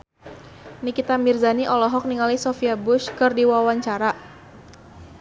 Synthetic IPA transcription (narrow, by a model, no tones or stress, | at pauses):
nikit̪amirzaniʔɔlɔɦɔk̚niŋalisɔfiabʊʃkɨrdiwawaɲt͡ʃaɾa